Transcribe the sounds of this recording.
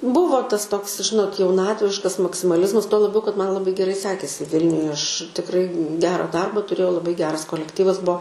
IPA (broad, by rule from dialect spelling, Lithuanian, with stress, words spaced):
ˈbuːʋoː ˈtɐs ˈtoːks ˈʒʲɪnoːt jɛʊˈnɑːtʲʋʲɪʃkɐs mɐksʲɪmɐˈlʲɪzmɐs tuɔ lˠɐˈbʲɛʊ kɐt ˈmɐn ˈlˠɑːbɐɪ ɡʲɛˈrɐɪ ˈsʲæːkʲeːsʲɪ ˈʋʲɪlʲnʲʊjɛ ˈɐʃ tʲɪkˈrɐɪ ˈɡʲæːrɐ dˈɐrbɐ tʊˈrʲeːjɛʊ lˠɐˈbɐɪ ˈɡʲæːrɐs koːlʲɛkˈtʲiːʋɐs ˈbuɔ